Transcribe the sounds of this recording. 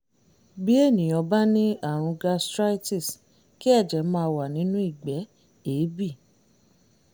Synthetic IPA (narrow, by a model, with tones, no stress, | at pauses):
bi˨˦e˦˨nĩ˨j̃ɔ̃˧ba˦nĩ˦a˦˨ɾ̃ũ˧ɡa˧stɾa˦ti˦˨s | ki˦ɛ˦˨d͡ʒɛ˨˦mãː˧˦˧wa˨nĩ˨˦nũ˦i˦˨ɡ͡bɛ˨˦ | eː˨˦bi˦˨